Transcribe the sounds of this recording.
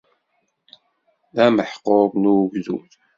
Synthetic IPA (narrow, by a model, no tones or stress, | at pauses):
ðæməħqobnuɡzṵθ